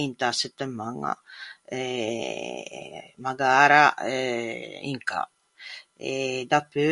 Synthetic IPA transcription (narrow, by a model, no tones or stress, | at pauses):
int̪asət̪ːəmaŋa̰ | maɡaːɾa | ḭŋka̰ | ed̪apø